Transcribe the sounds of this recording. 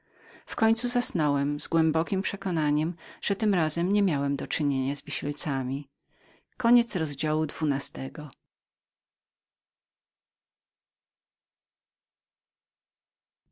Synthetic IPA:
fkɔɲt̪suzasnɔwɛmzɡwɛmbɔkʲimpʂɛkɔnaɲɛmʐ̥ɛt̪ɘmɾazɛmɲɛmʲjawɛmd̪ɔt͡ʂɘɲeɲazvʲiɕilt̪samʲi | kɔɲɛt̪sɾɔzd͡ʑawud̪vunast̪ɛɡɔ

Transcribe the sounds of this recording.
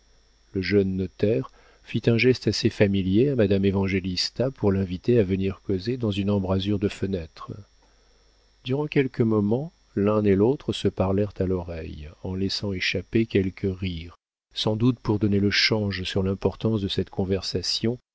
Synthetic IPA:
ləʒœnːɔt̪ɛʁ | fit̪ɛ̃ʒɛst̪asefamiljeamad̪amevɑ̃ʒelist̪apʰuʁlɛ̃vit̪eavəniʁkozed̪ɑ̃zynɑ̃bʁazyʁd̪əfənɛt̪χə | d̪yʁɑ̃kʲɛlkəmɔmɑ̃ | lɛ̃nelot̪χəsəpaʁlɛʁt̪alɔʁɛjɑ̃lɛsɑ̃eʃapekʲɛlkʰəʁiʁ | sɑ̃d̪ut̪puʁd̪ɔneləʃɑ̃ʒsyʁlɛ̃pɔʁt̪ɑ̃sd̪əsɛt̪kʰɔ̃vɛʁsasjɔ̃

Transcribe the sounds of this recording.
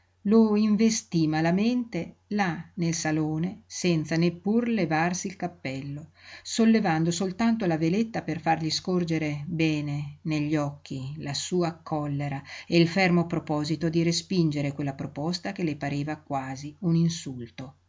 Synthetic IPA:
loiɱvest̪imalament̪e | lanelsaloːnesɛnt̪sanepːurlevarsiːlkapːɛlːosolːevand̪osolt̪ant̪olavelet̪ːaperfarʎiskord͡ʒeɾebɛːneneʎːɔkʰːilasuːakʰːɔlːeɾaeilfɛrmopɾopɔːzit̪od̪iɾespind͡ʒeɾekwelːapɾopɔst̪ak̟elepaɾeːvakwaːziuninsult̪o

